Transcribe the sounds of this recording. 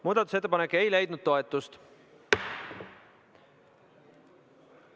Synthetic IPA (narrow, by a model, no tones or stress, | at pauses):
muːd̪ɑt̪ːˑuse̞t̪ːˑpɑnekːe̞jlejd̪̥̚nud̪̥̚t̪o̞et̪ːˑust̪